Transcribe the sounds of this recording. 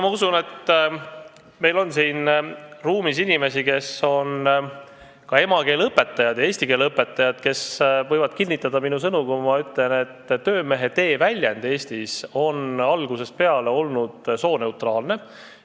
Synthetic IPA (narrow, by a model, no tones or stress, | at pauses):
mɑusune̞t̪ː | me̞jlo̞nsiːnruːmisinime̞sike̞so̞n | kɑe̞mɑke̞ːlɤpːˑe̞t̪ːˑɑjɑd̪̥jɑe̞ːsʲt̪ikeːlɤpːe̞t̪ːˑɑjɑd̪̥ke̞svɤjvɑd̪̥kilʲnːit̪ˑːɑd̪̥ɑminus̬ɤnukumɑyt̪le̞ne̞t̪ːø̞ːme̞ɦe̞t̪e̞ːvælʲjend̪̥e̞ːst̪iso̞nɑlɡ̥use̞spe̞ɑleo̞lnud̪̥so̞ːne̞uwt̪rɑːlne̞